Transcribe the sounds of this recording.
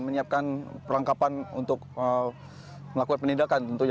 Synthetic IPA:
məɲiap̚kanpəɾaŋkapanṵnt̪ʊk̚ə | məlakukanpənidakant̪ənt̪uɲ

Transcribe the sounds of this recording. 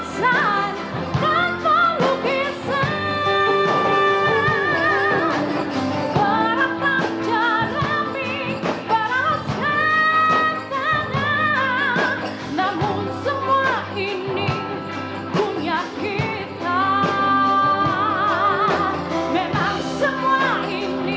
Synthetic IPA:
san | t̪at̪ɔlukisa | paɾap̪at͡ʃaɾami | paɾasa | taɲa | namʊnsəmua | i | ni | kuɲaki | t̪a | memaŋsəmuai | ni

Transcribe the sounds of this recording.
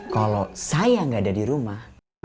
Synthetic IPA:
kalosajaŋɡaːdadiɾumah

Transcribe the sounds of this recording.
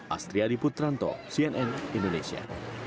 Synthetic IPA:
ʔa̰st̪ɾiaɾiput̪ɾant̪ɔ̰siɛnʔɛnind̪onesia̰

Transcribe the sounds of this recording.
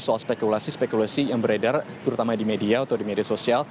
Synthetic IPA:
sualspekulasispekulasijaŋbəɾedart̪əɾut̪amadimediaut̪adimediasosial

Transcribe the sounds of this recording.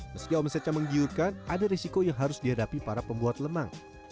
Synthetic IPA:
məskiaɔməset͡ʃaməŋɡiurkanʔadaɾisikojaŋɦaɾʊsdihadapipaɾapəmbuat̪̚ləmaŋ

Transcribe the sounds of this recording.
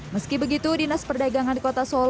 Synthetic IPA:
məskibəɡit̪udinəspərdaɡaŋandikot̪asol

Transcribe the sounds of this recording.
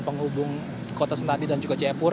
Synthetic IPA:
pəŋɦubʊŋ | kot̪asənt̪adidand͡ʒuɡat͡ʃɛpʊr

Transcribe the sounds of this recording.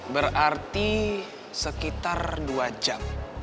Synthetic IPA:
bərart̪i | səkit̪arduad͡ʒam

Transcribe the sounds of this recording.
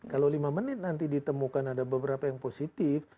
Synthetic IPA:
kalowlimamənɪt̪̚nant̪idit̪əmukanadabəbəɾapajaŋposit̪ɪf

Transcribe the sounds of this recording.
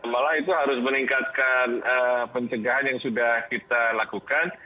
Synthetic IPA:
malait̪uɦaɾʊsməniŋkat̪̚kanəpəɲt͡ʃəɡaɦanjaŋsudahkit̪alakukan

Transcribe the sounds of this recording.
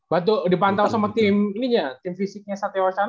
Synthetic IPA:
bat̪̬udipant̪awsamat̪ɪminid͡ʒat̪ɪmfisɪk̚ɲasat̪ewat͡ʃan

